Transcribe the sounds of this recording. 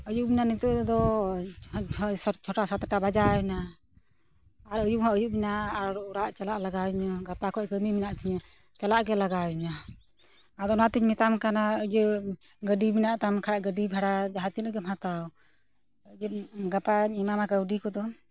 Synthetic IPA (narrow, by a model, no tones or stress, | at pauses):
əjuʔminanit̪ɔʔd̪ɔ | st͡ʃʰɔʈasat̪ʈabad͡ʒawɛna | ɾəjumhɔəjuʔminaːɾuɽaʔt͡ʃalaʔlaɡawɲaɡapakʰɔʔkəmiminaʔt̪ʰiɲat͡ʃalaʔɡɛlaɡawɛɲa | ad̪ɔnat̪iɲmɛt̪amkanaəd͡ʒə | ɡəɖiminaʔt̪amkʰaʔɡəɖibʱaɽad͡ʒaɦat̪inəɡɛmɦat̪aw | əd͡ʒəɡapaɲimamakəwɖikɔd̪ɔ